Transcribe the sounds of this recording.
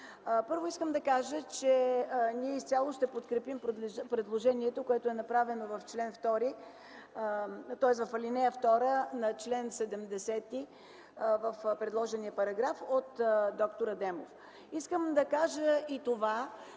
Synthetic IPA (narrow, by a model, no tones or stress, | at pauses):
pɤɾvoiskəmd̪ɐkaʒət͡ʃɛniɛist̪ʲalˠoʃt̪ɛpot̪kɾɛpimppɾɛd̪lˠoʒɛniɛt̪okoɛt̪ʊɛnɐpɾavɛnovɐft͡ʃlɛnft̪ɔɾi | t̪ɔɛsvɐfɐlʲinɛjəft̪ɔɾənɐt͡ʃlɛnsɛd̪ɛmd̪ɛsɛt̪i | vəfpɾɛd̪lˠɔʒɛnijəpɐɾɐɡɾafot̪d̪ɔkt̪oɾəd̪ɛmo̰f | iskəmd̪ɐkaʒəit̪ova